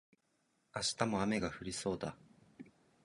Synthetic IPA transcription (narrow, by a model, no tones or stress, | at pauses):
aɕi̥t̪amo̞ame̞ɡaɸɯ̟ɾʲiso̞ːd̪a